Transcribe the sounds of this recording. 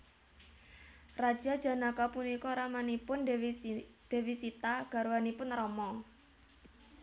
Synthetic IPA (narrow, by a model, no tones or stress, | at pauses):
rad̥ʒ̥ad̥ʒ̥a̤nakapunikɔɾamanipʊnwd̪̥e̤wisit̪aɡ̥a̤ɾuwanipʊnrɔmɔ